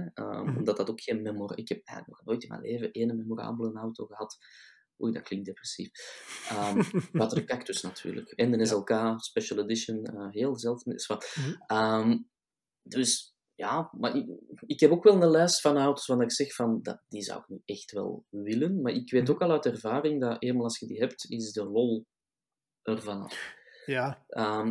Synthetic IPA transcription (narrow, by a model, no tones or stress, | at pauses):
ə̰mɔmdɑtdɑtokxeːnmemorɪkhɛp̚ɛ̰ːɣlək̚nɔxnoːjtɪma̰ːneːvəʔeːnəmemora̰ːbəl̩ˠənawtoːɣəɦɑt | ṵjdɑtklɪŋk̚t̚deprɛsifəmbɑtədəkaktʏsnɑtʰy̰ːrlə̰kɛndənɛzɛlˠkaːspɛʃəlˠɛdɪʃənəːɦeːlˠzɛlˠtnɪ̰sfɑtəm | d̥ʏs | jaːmaɪkɦɛpoːkʋɛlˠnəlɛːstfɑnawtə̥swɑndɑɪksɛxfɑndɑ̰d̥izɑ̰wɪ̰k̚niɛxtʋɛ̰lˠʋɪlənmarʔɪkʋeːtoːkɑlˠœːtɛrvaːɾɪŋdɑʔeːmalˠɑlˠsxədiɦɛptɪzdərɔlˠ | ʔərvɑnɑ̰ | ʔəm